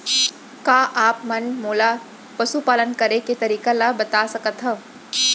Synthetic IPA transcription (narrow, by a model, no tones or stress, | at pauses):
kaːʔaːpmɐnmoːla | pɐʃupaːlənkɐɾeket̪ɐɾiːkalabɐt̪asɐkət̪ɦə